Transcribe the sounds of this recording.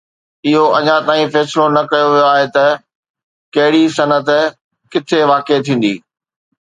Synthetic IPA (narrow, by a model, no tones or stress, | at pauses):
ɪɦoɐɲãt̪aːĩfɛːsɪlonɐkɐjoʋijoaːɦet̪ɐ | kɐɦɪɽisɐnət̪̆ | kɪt̪ʰeʋaːket̪ʰĩːn̆d̪ḭː